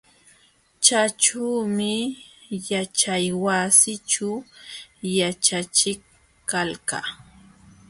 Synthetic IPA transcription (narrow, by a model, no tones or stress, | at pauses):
t͡ʃaʈ͡ʂuːmɪ | jat͡ʃajwasɪt͡ʃu | jat͡ʃat͡ʃɪk | kːalka̰